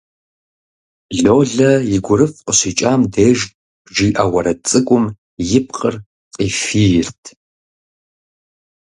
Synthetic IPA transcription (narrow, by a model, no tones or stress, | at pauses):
ɮoːɮɐjɪɡʷʊɾɨfqʼəɕiːt͡ʃʼaːmdeːʒ | ʒiːʔɐwɐɾɐt͡sʼɨkʷʼʊm | jɪp̚qʼər | qʼiːfiːjɪrtʰ